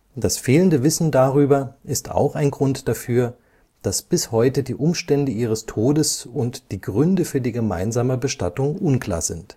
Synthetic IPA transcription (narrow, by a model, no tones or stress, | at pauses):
d̥asfeːləndəvɪsn̩daʁyːbɐʔɪsta̰ʊxaɪnɡʁʊntd̥afyːɐ | d̥asb̥ɪshɔʏtədiːʔʊmʃtɛndəʔiːʁ̞əstʰoːdəsʊntd̥iːɡʁʏndəfyːɐdiːɡəma̰ɪnzaːməbəʃta̰tʊŋʔʊnkl̥a̰ːɐzɪnt